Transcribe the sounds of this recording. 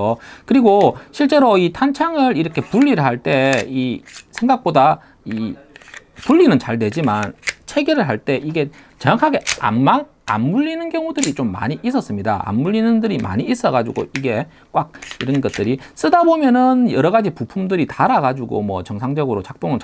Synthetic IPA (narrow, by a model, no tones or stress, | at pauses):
okɯɾiɡoɕʰiɭt͡ɕ͈e̞ɾoitʰant͡ɕʰaŋɯɾiɾʌkʰe̞puʎːiɾɯɭɦaɭt͈e̞isʰe̞ŋɡak̚p͈oda | i | puʎːinɯnt͡ɕaɭnwe̞d͡ʑimant͡ɕʰe̞ɡiɾɯɭɦaɭt͈e̞ʔiɡe̞t͡ɕeŋakʰaɡe̞a̰mman | a̰mːuʎːinɯnkjʌŋudɯɾit͡ɕomːa̰ɲiʔis͈ʌs͈ɯmɲida̰a̰mːuʎːinɯndɯɾima̰ɲiːs͈ʌɡad͡ʑṵɡo̰iɡe̞ | kwak̚iɾʌnɡʌt̚t͈ɯɾis͈ɯdabomjʌnɯnjʌɾʌɡad͡ʑipupʰumdɯɾitaɾaɡad͡ʑuɡo̰mwʌ̰t͡ɕʌŋsʰaŋd͡ʑʌɡɯɾot͡ɕak̚p͈oŋɯnt͡ɕ